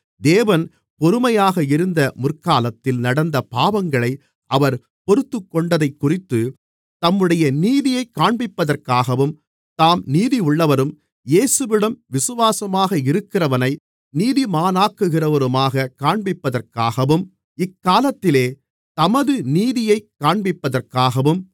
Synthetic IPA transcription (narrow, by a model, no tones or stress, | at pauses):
d̪eːʋɐn | pɔɾɯmɐjaːɣɐɪɾɯnd̪ɐmʊrkaːlɐt̪ːɪlnɐɽɐnd̪ɐpaːʋɐŋɡɐɭɐɪ | ʔɐʋɐɾ | pɔɾɯt̪ːɯkːɔɳɖɐðɐɪkːʊrɪt̪ːɯ | t̪ɐmːɯɽɐjɐniːðɪjɐɪkːaːɳbɪpːɐðɐrkaːɣɐʋɯm | t̪aːmniːðiʊɭːɐʋɐɾɯm | jeːsɯʋɪɽɐmʋɪsɯʋaːsɐmaːɣɐɪɾɯkːɪrɐʋɐnɐɪ | niːðimaːnaːkːɯɣɪrɐʋɐɾɯmaːɣɐkaːɳbɪpːɐðɐrkaːɣɐʋɯm | ɪkːaːlɐt̪ːɪleː | t̪ɐmɐðɯniːðɪjɐɪkːaːɳbɪpːɐðɐrkaːɣɐʋɯm